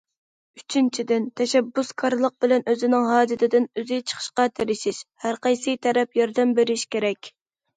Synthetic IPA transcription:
yt͡ʃʰynt͡ʃʰid̪ɪnt̪ʰɛʃɛbːuskʰɑɾlˠəq̚bɪlɛnøzɪnɪŋɦɑːd͡ʒ̪ɪt̪ʰɪd̪ɪnøzɪt͡ʃʰə̥χʰə̥ʃqɑt̪ʰeɾɪʃiʃhæɾqʰɑjsɨt̪ʰɛɾɛpjɑɾd̪ɛmbeɾɪʃkʲeɾɛkʲ

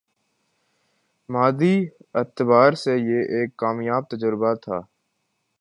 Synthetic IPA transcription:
maːd̪iːɪt̪baːɾsejeʔeːkːaːmjaːb̚t̪əd͡ʒəɾbat̪ʰa̰ː

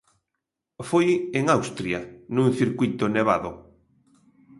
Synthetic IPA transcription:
fojeŋawst̪ɾjanũŋθiɾkwujt̪oneβ̞a̰ðʊ

